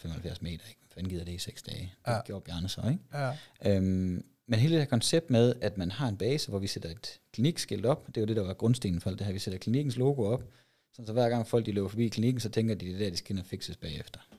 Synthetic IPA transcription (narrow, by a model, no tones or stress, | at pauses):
femɒ̽hel̩fjæɐ̰sme̝̰ːd̥ɐeɡ̥menfænɡið̰ˠɐd̥e̝iseɡ̥sd̥ɛːd̥ɡ̥o̝̰ɐ̰b̥jæɐnəsɒ̽eɡ̥ʔøm | menɦe̝ːlə̥de̥hæɐkʰɒ̽nseb̥̚d̥með̞ˠæd̥mænhɑ̈e̝nb̥ɛːsəʋɒʋised̥ɐe̝d̥kʰliniɡ̥sɡ̥e̝l̰d̥ɒ̽b̥d̥e̝jʊd̥e̝ɾɑ̈ʋɑ̈ɡ̥ʁɔ̽nsd̥ḛːn̩fɒl̰d̥ehæɐʋised̥ɐkʰliniɡ̥n̩slo̝ːɡ̥o̝ɒ̽b̥ | sɒ̽n̩sɒ̽ʋæɐɡ̥ɑ̈ŋ̰fɒ̽l̰ɡ̥̚d̥ilḛːʊɐfɒ̽bḭːkʰliniɡ̥n̩sɒ̽t͡sʰeŋɡ̥ɐd̥id̥ed̥æɐd̥isɡ̥æe̝nɒfiɡ̥səsb̥ɛ̰ːefd̥ɐ